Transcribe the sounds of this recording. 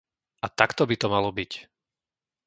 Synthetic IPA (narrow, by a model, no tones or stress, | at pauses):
ʔat̪akt̪ɔbit̪ɔmalɔbic